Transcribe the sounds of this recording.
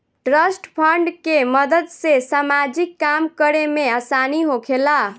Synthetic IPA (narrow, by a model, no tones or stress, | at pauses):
ʈɾəsʈpʰəɳɖkeməd̪əd̪sesamad͡ʒikːamkəɾemeasaniɦokʰela